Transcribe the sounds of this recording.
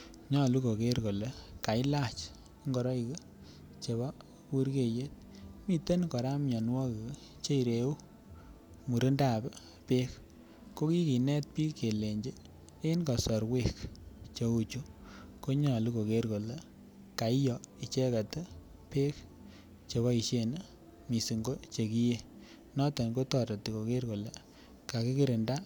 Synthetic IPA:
ɲɔ˨lu˦ko˨ke˦ɾko˨le˦ka˨ɪ˦la˦˨t͡ʃ | ŋɡɔ˨ɾɔ˦i˨ke˦ | t͡ʃe˨βɔ˦ | ku˦ɾke˨je˦t̚mi˦te˦nkɔ˨ɾa˦mɲɔ˨nwɔ˦ke˨ | t͡ʃe˦i˨ɾe˨u˦ | mu˨ɾe˦nda˨be˦ | pe˦k | ko˦ki˦ki˨nɛ˦t̚piː˦ke˨le˨ɲd͡ʒe˦ | e˦nkɔ˨sɔ˨ɾwe˦kt͡ʃe˨˦u˦t͡ʃu˦ | ko˦ɲɔ˨li˦ko˨ke˦ɾko˨le˦ | ka˨ɪ˦jɔ˨i˨t͡ʃe˦ka˨tɛ˦ | pe˦k | t͡ʃe˨βɔ˦i˨ʃe˦˨n˦ | mi˨si˨ŋɡo˦t͡ʃe˨ki˦je˦ | nɔ˦tɔ˨nko˦tɔ˦˨ɾa˨ti˨ko˨ke˦rko˨le˨ | ka˨ki˦ki˦ɾe˨nda˦

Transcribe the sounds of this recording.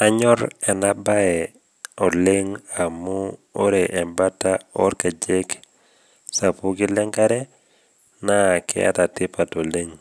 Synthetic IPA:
a˦ɲɔ˦ɾɛ˨na˦ba˦ɛ˨ | ɔ˨le˦ŋa˨mu˦o˦ɾe˨ʔɛ˨mba˦ta˦ɔ˦ɾka˨d͡ʒe˦k | sa˨pu˦ɡɪ˦lɛ˦ŋka˦ɾɛ˦ | na˦˨kʰɪ̰˦a̰˦ta˨tɪ˦pa˨to˨le˦ŋ

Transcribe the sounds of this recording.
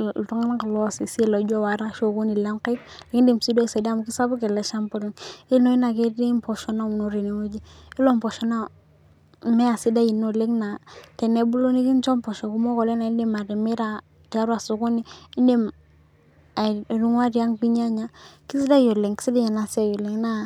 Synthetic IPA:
tɔ˦ŋa˦na˦ka˨lɔ˦˨si˨se˨lo˨˦d͡ʒɔ˦wa˨ɾa˦ʃo˨ku˦ni˨la˦ŋka˦kle˨˦ŋ˦de˦˨msi˦do˦˨se˨da˦˨mu˨ki˦sa˦bu˦kɛ˨lɛ˨˦ʃa˦mpɔ˦li˦ŋi˦no˦i˦na˨ke˦di˦mpɔ˨ʃɔ˦na˦u˨no˦ɾe˨ne˨˦wo˦d͡ʒi˦i˦lɔ˦mpɔ˨ʃɔ˦na˦ | mɛ˦a˨si˦da˦ji˨no˦˨le˦kna˨tɛ˨ne˦bu˦lo˦ni˦ki˦nt͡ʃɔ˦mpɔ˨ʃɔ˨ku˦mɔ˦kɔ˨lɛ˦na˨i˦de˦ma˨dɛ˨mɛ˦ɾa˨ | ti˨a˦ɾwa˨sʊ˨kʊ˦ni˦i˦de˦m˨ | ɾu˦ŋwa˦ɾi˨a˦ŋpi˦ɲa˦ɲa˦ki˦si˦da˦jɔ˨le˨ŋki̥˦si˦di˦ɲa˨na˨sa˨jɔ˨le˨ŋna˦

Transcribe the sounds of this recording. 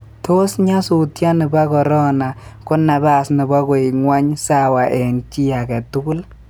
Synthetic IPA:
to˦sɲa˦su˨tja˦nɪ˨ba˦kɔ˨ɾɔ˦na˨kɔ˦nːa˨ba˦˨snɪ˨ba˦kɔ˨i˨ŋwa˦ɲsa˦wa˨ʔɛ˨nt͡ʃi˦a˨kɛ˨tʊ˦kʊ˦l

